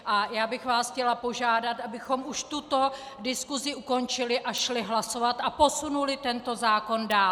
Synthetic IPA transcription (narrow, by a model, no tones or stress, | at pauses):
ʔajaːbɪxvaːsxcɛlapo̞ʒaːdat̪ʔabɪxo̞muʃt̪ut̪o̞ | dɪskuzɪʔuko̞nt͡ʃɪlɪʔaʃlɪɦlaso̞vat̪ʔapo̞sunulɪt̪ɛnt̪o̞zaːko̞ndaːl